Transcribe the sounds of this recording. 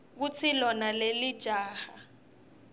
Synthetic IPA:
k̬ut͡sʰilɔnalelid̥ʒ̥ʱaːha

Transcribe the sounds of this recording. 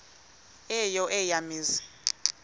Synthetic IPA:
ɛjɔʔɛjamiːzi

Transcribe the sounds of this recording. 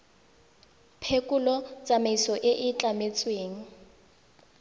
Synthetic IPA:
pʰekʼulɔt͡sʼamaisɔʔɪʔɪt͡ɬʼamet͡sʼweːŋ̩

